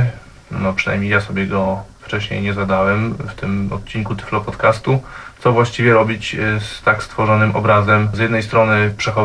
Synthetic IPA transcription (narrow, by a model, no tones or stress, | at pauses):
nɔpʂɨna̰jmɲejasɔbʲjɛɡɔft͡ʂɛɕɲḛjɲɛzad̪awɛmft̪ɘmɔ̰t̪̚t͡ɕiŋkut̪ɘ̥flɔpɔt̪kast̪ut̪sɔvwaɕt͡ɕivʲjɛɾɔbʲit͡ɕst̪akst̪fɔʐɔnɘmʔɔ̰bɾazɛmzʲjɛd̪nɛjst̪ɾɔnɘpʂɛxɔ